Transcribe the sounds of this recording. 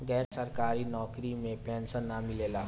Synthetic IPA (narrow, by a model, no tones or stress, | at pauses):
ɡɛːɾsəɾkaːɾinɔːkɾimẽpɛːnsənːamɪleːla